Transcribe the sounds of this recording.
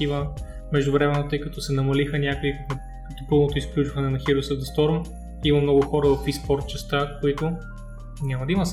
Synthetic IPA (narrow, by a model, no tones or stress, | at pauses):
ivə | mɛʒd̪ʊvɾɛmɛnot̪ɤikɐt̪ɔsɛnɐmɐlixənʲakʊikkn | kɐt̪ɔpɤlˠnot̪oisklʲut͡ʃvɐnɛnɐxiɾʊsəɐst̪ɔɾm | imɐmnɔɡʊxɔɾəvɐfispɔɾt̪̚t͡ʃɛst̪akoit̪ʊ | nʲamɐd̪ɐimɐs